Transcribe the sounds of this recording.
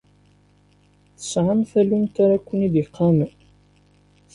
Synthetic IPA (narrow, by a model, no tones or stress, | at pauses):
θə̥sʕamθælumt̪aɾækʷːənid̪jəqʰːɑm